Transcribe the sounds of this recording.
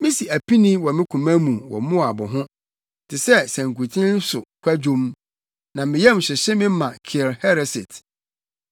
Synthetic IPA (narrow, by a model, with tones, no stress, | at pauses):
mɪ̃˦si˨æ˨pi˦nĩ˦wɔ˨mɪ̃˦kʰũ˨mæ̃˦mũ˨wɔ̰˨mʊ̃˦a˨bʊ˨ɦʊ̃˦ | tʰɪ˨sɛ˦sæ̃˨ŋ̩ku˨tʰɪ̃˦n̩˦sʊ˨kʷʰæ˦d͡ʑũ˦m | nã˨mɪ̃˨jɛ˦m̩˨ɕɛ˨ɕɛ˦mɪ̃˦mã˨kʰɪ˨ɾhɛ˦ɾɛ˨sɪ˨tʰ